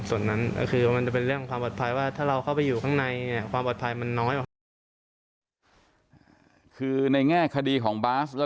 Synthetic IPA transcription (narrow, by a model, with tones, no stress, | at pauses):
su˨˩ənːa˦˥n̰˥˩kʰɯː˧˩ma˧nt͡ɕa˨˩p̬e˧nɾɯ˥˩əŋkʰwaː˧mpo˨˩t̪̚pʰa˧jwaː˥˩t̪ʰaː˥˩ɾa˧wkʰa˥˩wpa˧jːuː˨˩kʰaː˥˩ŋna˧jni˥˩ɐkwaː˧mpo˨˩t̪pʰa˧jma˧nːɔː˦˥jʔɔ˨˩ | kʰɯː˧na˧jŋɛː˥˩kʰa˧diː˧kʰɔː˩˦ŋbaː˦˥slɛː˦˥